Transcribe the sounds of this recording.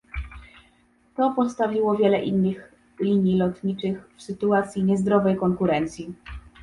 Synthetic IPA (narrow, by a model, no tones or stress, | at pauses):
t̪ɔpɔt̪st̪avʲiwɔvʲjɛlɛʔinːɘx | lʲiɲjilɔt̪ɲit͡ʂɘxfsɘt̪uat̪sʲjiɲɛzd̪ɾɔvɛjkɔŋkuɾɛnt̪sʲji